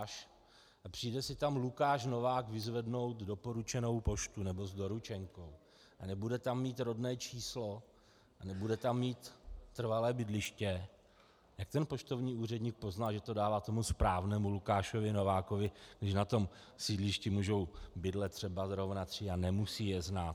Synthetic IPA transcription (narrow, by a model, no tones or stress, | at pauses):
ʃ | ʔapr̥iːjdɛsɪt̪amlukaːʃ̬no̞vaːkvɪzvɛdno̞wt̪do̞po̞ɾut͡ʃɛno̞wpo̞ʃt̪unɛbo̞zdo̞ɾut͡ʃɛŋko̞w | ʔanɛbudɛt̪amːiːt̪ɾo̞dnɛːt͡ʃiːslo̞ | ʔanɛbudɛt̪amːiːt̪ːr̩valɛːbɪdlɪʃcɛ | jak̚t̪ɛnpo̞ʃt̪o̞vɲiːuːrɛdɲiːk̚po̞znalʒɛt̪o̞daːvaːt̪o̞muspɾaːvnɛːmulukaːʃovɪno̞vaːkovɪɡdɪʃnat̪o̞m | siːdlɪʃcɪmuːʒo̞wbɪdlɛt̪ːr̝̥ɛbazɾo̞vnat̪r̝̥ɪanɛmusiːjɛznaːt̪